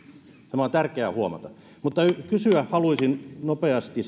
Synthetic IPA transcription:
sɑmɑˑt̪ærkeæhuomɑ̰t̪ɑ | mut̪ːɑykysyæhhɑluisinnopeɑst̪i

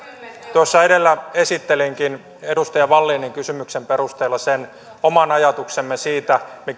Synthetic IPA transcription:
t̪uosːɑedelːæesit̪ːeliŋkin | edust̪ɑjɑʋɑlːiːnːiŋkysymyksemperust̪eːlːɑsen | omɑnɑjɑt̪uksemːesiːt̪æmi

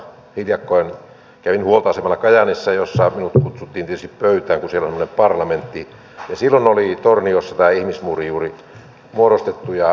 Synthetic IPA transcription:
hidjɑkːoen | kæʋinhuolt̪ɑɑsemɑlːɑkɑjɑnisːɑjosːɑminut̪kut̪sut̪ːiːnt̪iet̪yst̪ippøyt̪æːŋkusielonsemːonempɑrlɑment̪ːi | jɑsilːonolit̪orniosːɑt̪æːihmismurijuːri | muoɾost̪et̪ːujɑ

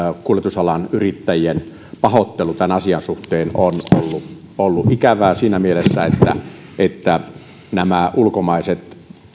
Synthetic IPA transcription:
kuolˑet̪usɑlɑnyrit̪ːæjien | pɑhot̪ːelut̪ænɑsiɑnsuht̪eːnono̰lːu | olːuʔʔikæʋæːsiːnæmielesːæet̪ːæ̰ | et̪ːæ | næmæulkomɑˑeset̪

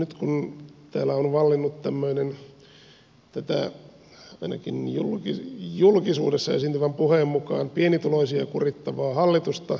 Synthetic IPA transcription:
nyt̪kunt̪æːlæonʋɑlːinːut̪t̪æmːøinen | t̪æt̪æ̰ | ɑinɑ̰kinjulkijulkisṵːdesːɑḛsint̪yʋæmpuheːmmukɑːnpienit̪uloisiɑkurit̪ːɑʋɑːhɑlːit̪ust̪ɑ

